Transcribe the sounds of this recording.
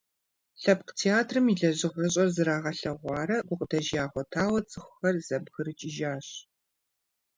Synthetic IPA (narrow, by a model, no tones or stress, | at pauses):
ɬɐpqtʰeaːtʰrɨmiɮɐʑɪʁɐɕ̬ʼɐrzɨɾaːʁɐɬɐʁʷɑːɾɐɡʷʊqʼədɐʒjaːʁʷɔtʰaːwɐt͡sʼɨxʷʊxɐrzɐbɣɨɾɨt͡ʃʼiʒaːɕ